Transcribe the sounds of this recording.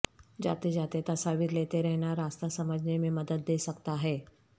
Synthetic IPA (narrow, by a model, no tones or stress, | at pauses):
d͡ʒa̰ːt̪ed͡ʒaːt̪et̪ɐsaːʋiɾleːt̪eɾɛɦnaɾaːst̪asɐməd͡ʒʱnemẽmɐd̪əd̪̚ːeːsɐkt̪aɦɛː